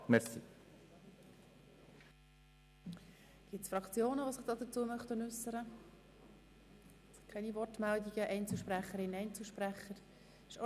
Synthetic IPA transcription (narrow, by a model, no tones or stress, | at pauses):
mɛɾsḭ | ɡ̥ɪtsfɾɑkt͡sjoːnəʋosɪχd̥ɑːd̥̪ət͡suəmœχtənʉsəɾə | kʰɛnivɔrtmældiɡ̥əʔɛɪnt͡sl̩ʃpɾæχːəɾɪnɛɪnt͡sl̩ʃpɾæχːəɾ | ɪʃ